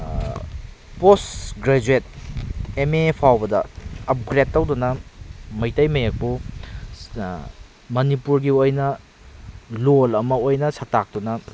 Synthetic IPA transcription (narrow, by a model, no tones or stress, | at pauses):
posɡɾed͡ʒuet̚ | emepʰawbɐdɐ̰ːp̚ɡɾetːɐwdunɐmɐjtɐjmɐjak̚bu | mɐnipuɾɡiojnɐ | lolɐmɐojnɐsɐk̚tak̚dunɐ